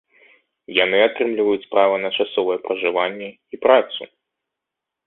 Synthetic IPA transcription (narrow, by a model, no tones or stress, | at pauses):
janɨat̪ɾɨmlʲivɐjut͡sʲspɾavɐnɐt͡ʂasɔvɐjɛpɾɐʐɨvanʲːɛ | ipɾat̪sṵ